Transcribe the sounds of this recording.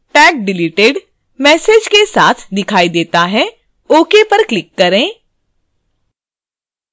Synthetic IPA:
ʈɛːk̚ɖɪliːʈeːɖ | mɛːseːd͡ʒkesaːt̪ʰd̪ɪkʰaːid̪eːt̪aɦɛ | oːkepɐɾklɪkːɐɾẽː

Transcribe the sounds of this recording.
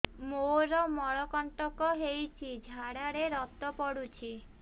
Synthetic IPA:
moɾɔmɔɭɔkɔɳʈɔkɔɦejt͡ʃʰid͡ʒʱaɽaɽeɾɔt̪ɔpɔɽut͡ʃʰi

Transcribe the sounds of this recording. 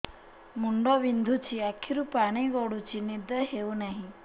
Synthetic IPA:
muɳɖɔʋind̪ʱut͡ʃʰiakʰːiɾupaɽ̃iɡɔɽut͡ʃʰinid̪əɦeunaɦĩ

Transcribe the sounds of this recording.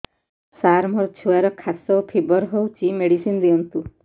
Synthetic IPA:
saɾmɔɾt͡ʃʰuaɾɔkʰasɔpʰebɔɾɦowt͡ʃʰimeɽisind̪iɔnt̪u

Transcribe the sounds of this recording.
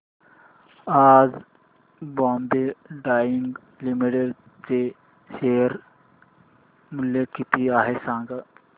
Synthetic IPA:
aːd͡z | bãːmbeɖaːjiŋɡ | limiʈeɾ | t͡se | ɕeːəɾ | muljekit̪iaɦesãːŋɡa

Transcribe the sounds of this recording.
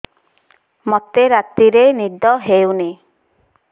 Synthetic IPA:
mot̪eɾat̪iɾenid̪ɔɦewni

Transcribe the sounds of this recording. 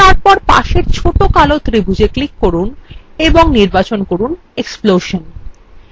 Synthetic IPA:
aɾpɔɾpa̰ʃeɾt͡ɕʰoʈokalot̪ɾibʱud͡ʑeklikːoɾuneboŋniɾbat͡ɕonkoɾun | eksploʃon

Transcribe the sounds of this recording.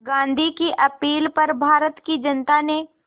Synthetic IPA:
ɡãːnd̪ʱikiʔɐpiːlpɐɾbʱaːɾət̪kid͡ʒɐnt̪ane

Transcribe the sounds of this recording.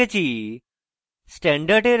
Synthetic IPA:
at͡ɕiː | sʈɛ̃ɳɖəɾɖeɾ

